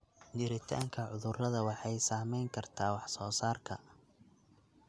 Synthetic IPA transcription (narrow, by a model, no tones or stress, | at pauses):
t͡ʃɪɾɪt̪ʰa̰ːŋkʰɐʕʊðʊrɐðɐwɑħɑjsaːmɛjŋkʰɐrt̪ʰaːwɑħsɔːsaːrkʰɐ